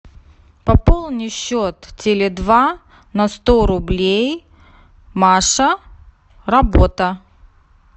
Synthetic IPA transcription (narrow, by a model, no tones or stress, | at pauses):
pɐpolˠnʲɪɕːot̪tʲɪlʲɪd̪va | nɐst̪oɾʊblʲej | maʂə | rɐbot̪ə